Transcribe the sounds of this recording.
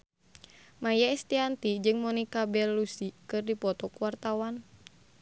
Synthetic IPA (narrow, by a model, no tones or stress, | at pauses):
majaɛst̪iant̪id͡ʒɨŋmɔnikabɛlːusikɨrdipɔt̪ɔkuwart̪awan